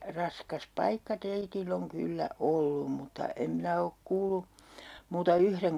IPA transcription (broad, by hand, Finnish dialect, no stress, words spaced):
rɑskɑs pɑikːɑ teitilː oŋ kylːæ olːum mutːɑ em minæ ok kuːlu muːtɑ yhreŋ